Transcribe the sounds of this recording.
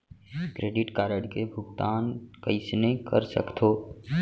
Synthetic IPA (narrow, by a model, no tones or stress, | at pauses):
kɾeːɖɪʈkaːɾəɽkebʱʊɡt̪aːnkəɪsnekə̰ɾsə̰kt̪ʰoː